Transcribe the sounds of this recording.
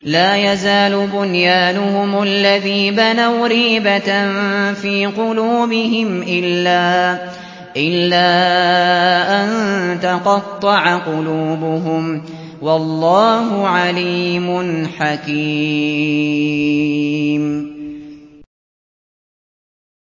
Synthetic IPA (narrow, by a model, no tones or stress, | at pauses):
laːjazaːlʊbʊnjaːnʊhʊmalːaðiːbanawɾiːbanfiːqʊluːbɪɦɪmʔɪlːaː | ʔɪlːaː | ʔant̪ɑqɑt̪ˤːɑʕaqʊluːbʊɦʊm | wɑlˤːɑːɦʊʕaliːmʊnħaki | m